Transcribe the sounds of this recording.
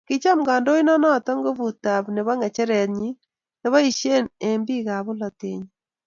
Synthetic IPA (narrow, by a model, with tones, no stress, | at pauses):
ki˦t͡ʃa˦mɡa˨ndo˦i˦na˦nɔ˦˨ta˦ŋɡo˦βu˨ta˨βne˨βa˦ŋɛ˨t͡ʃɛ˦ɾɛ˨tɲi˦ | ne˦βa˦i˨ʃe˦ne˨mbi˦ɣa˨βu˦la˨tḛː˨ɲi